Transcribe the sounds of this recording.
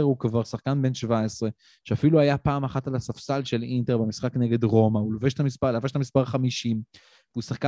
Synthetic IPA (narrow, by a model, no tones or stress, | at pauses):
eʁukvaʁsaχkanbe̞nʃvaesʁe̞ | ʃeafiluajapaːmaχatalasafsalʃe̞linte̞ʁbemisχakneɡe̞dʁo̞maulveʃtamispalaveʃtamispaʁχamiʃim | vusaχka